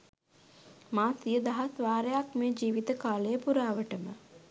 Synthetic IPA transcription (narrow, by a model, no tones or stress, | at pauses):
maːsijəd̪aɦasʋaːɾəjakmeːd͡ʒiːʋit̪əkaːlejəpuɾaːʋəʈəmə